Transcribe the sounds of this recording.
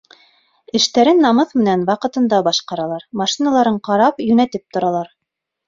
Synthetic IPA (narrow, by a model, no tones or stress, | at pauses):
ɘ̆ʃt̪æɾɘnːɑmɤθmɘ̆nænwɑqɤ̆t̪ɤ̆nd̪ɑbɑʃqɑɾɑlˠɑɾmɑʃinɑlˠɑɾɤɴqɑɾɑpjɵ̆næt̪ɘp̚t̪ŏɾɑlˠɑɾ